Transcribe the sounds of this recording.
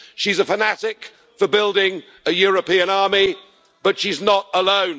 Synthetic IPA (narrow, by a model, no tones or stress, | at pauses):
ʃizəfənæɾɪk | fəbɪlˠdɪ̃ŋ | əjɔɹəpĩə̃nɑɹmi | b̥ʌtʃiznəɾəlõʊ̃n